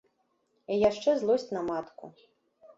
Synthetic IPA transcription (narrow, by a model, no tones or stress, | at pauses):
ijaʂt͡ʂɛzlˠɔsʲt͡sʲnɐmat̪kṵ